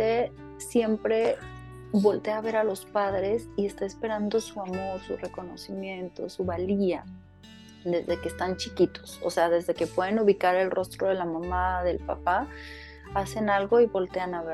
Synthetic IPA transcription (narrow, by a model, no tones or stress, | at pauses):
e | sje̞mpɾe̞ | βo̞lt̪e̞aːβe̞ɾalo̞spaðɾe̞sie̞st̪aespe̞ɾand̪o̞suamo̞ɾsure̞ko̞no̞simjẽ̞nt̪o̞̰suβalia | ðe̞zðe̞ke̞ːst̪ant͡ʃikit̪o̞̥so̰se̞aðe̞zðe̞ke̞pwe̞ð̞enuβikaɾe̞lrʔo̞st̪ɾo̞ð̞e̞lamãmaðe̞lpa̰pa | ase̞nalɣo̞iβo̞lt̪e̞anaβe